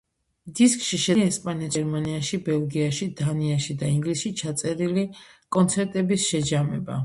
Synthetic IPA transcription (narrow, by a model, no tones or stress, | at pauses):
d̪iskʼʃiʃɛɛspʼaniɛɾmaniaʃibɛlˠɡiaʃid̪aniaʃid̪aiŋɡlisʃit͡ʃʰat̪sʼɛɾilikʼɔnt̪sʰɛɾt̪ʼɛbisʃɛd͡ʒamɛba̰